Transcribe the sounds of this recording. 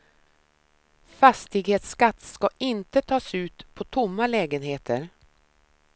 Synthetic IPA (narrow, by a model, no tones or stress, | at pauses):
fast̪ɪɡheːt̪skat̪ːskaʔɪnt̪ət̪ʰɑːsʉ̟ːt̪pʰɔt̪ʰʊmːalɛːɡənheːt̪ʰə̰ɾ